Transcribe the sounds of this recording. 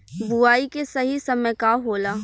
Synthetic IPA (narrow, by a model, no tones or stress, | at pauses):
buaːikesɐɦisɐməjkaɦoːlaː